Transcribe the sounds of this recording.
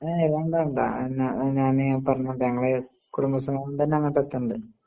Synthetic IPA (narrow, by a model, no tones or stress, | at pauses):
aiʋɐɳɖaːɳɖa̰nɲaːnepɐrɐɲːuoɳɖɨɲɐŋːɐɭe | kuɽumbɐsɐmamt̪ɐnːeɐŋːɭʈːɐt̪ːuɳɖɨ